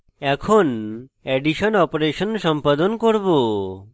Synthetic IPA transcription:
ɛkʰonɛɖiʃɔnɔpɾeʃənsɔmpad̪ɔnkɔɾbo

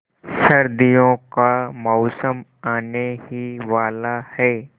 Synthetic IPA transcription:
sɐɾd̪ijõkamɔːsəmaːnehiʋaːlahɛː

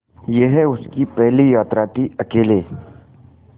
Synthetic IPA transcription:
jeɦɛʊskipɛɦlijaːt̪ɾaːt̪iɐkeːleː

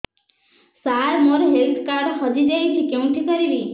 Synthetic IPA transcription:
saɾmɔɾɔɦelt̪ʰkaɾhɔd͡ʒid͡ʒajt͡ʃʰikeũʈ̪ʰikɔɾili

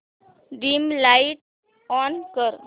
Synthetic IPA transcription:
ɖimlaɪiʈ̚ | ɔːnkəɾ

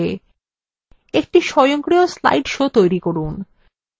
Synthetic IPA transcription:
e | ek̚ʈiʃɔjoŋkɾiosla̰jɖʃot̪ojɾikoɾun

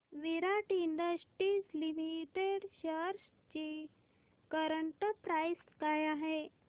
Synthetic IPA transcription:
ʋiɾaʈiɳɖəsʈɾiːslimiʈeɽɕəɾs | t͡ɕi | kəɾəɳʈəpɾajskajaɦe

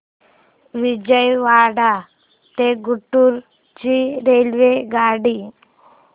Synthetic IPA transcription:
ʋid͡ʒəjʋaːɽa | t̪eɡuʈːuɾ | t͡ʃiɾelʋeɡaːɽi

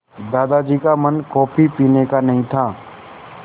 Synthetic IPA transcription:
d̪aːd̪ad͡ʒiːkamənkɔːpʰipiːnekanɐɦĩt̪ʰaː

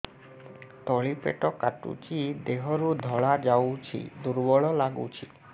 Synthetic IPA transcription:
t̪ɔɭipḛʈɔkaʈṵt͡ʃid̪eɦɔɾud̪ʱɔɭad͡ʒawt͡ʃʰḭd̪uɾbɔɭɔlaɡṵt͡ʃʰi

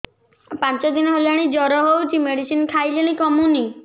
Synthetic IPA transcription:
pãnt͡ʃɔd̪inɔɦelaɽ̃id͡ʒɔɾɔɦewt͡ʃʰimeɽisinkʰajleɽ̃ikɔmuni

